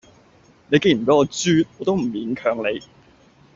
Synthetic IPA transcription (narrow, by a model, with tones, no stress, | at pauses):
ne˨˧jke˥j̩˨˩pe˨˥ɔː˨˧t͡syː˥t̪̚ɔː˨˧t̪o˥wm̩˨˩jiː˨˥nkʰœː˧ŋle˨˧j